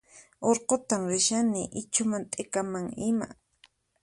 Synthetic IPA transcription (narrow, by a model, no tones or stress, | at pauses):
oɾqot̪amɾɪʃanɪʔɪt͡ʃʊmant̪ʼekamaŋɪma̰